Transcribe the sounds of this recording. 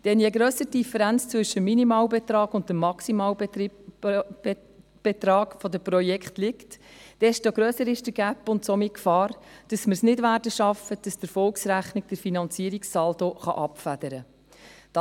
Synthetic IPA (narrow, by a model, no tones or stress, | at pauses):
d̥ɛnjɛɡɾœːsəd̥ifəɾænt͡st͡sʋʏʃəminimɑːlbɛt̪ɾɑːɡʊntəmːɑksimɑːl | b̥et̪ɾɑːɡfɔdəpɾɔjɛkχtlɪktd̥ɛʃtoɡɾœːsəɾɪʃd̥əɡ̥æpːʊntsɔmikfɑːɾd̥ɑsməɾsnɪdvæːɾdəʃɑfəd̥ɑsd̥̪əfɔlksɾæχnik̚d̥əɾfinɑnt͡siːəɾiksːɑldoχɑ̰ʔɑpfæd̥̪əɾə | d̥ɑ